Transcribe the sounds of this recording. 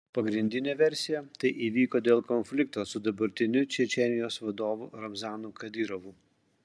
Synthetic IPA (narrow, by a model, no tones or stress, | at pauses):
pɐɡɾʲɪnʲd̪ʲɪnʲeːʋʲɛɾʲsʲɪjɛt̪ɐɪʔiːʋʲiːkoːd̪ʲeːlˠkɔnʲfʲlʲɪkt̪oːsʊd̪ɐbɐɾʲt̪ʲɪnʲʊt͡ʃʲɛt͡ʃʲɛnʲɪjoːsʋɐd̪oːʋuɾɐmzɑːnukɐd̪ʲɪɾɔʋu